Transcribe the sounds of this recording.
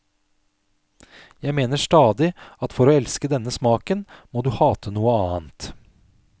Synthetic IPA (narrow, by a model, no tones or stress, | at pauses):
jæɪmeːnəʂʈɑːd̪ɪɑt̪fɔɾoːɛlskəd̪ɛnːəsmɑːkənmoːd̪ʉːhɑːt̪ʰənuːəɑːnt̪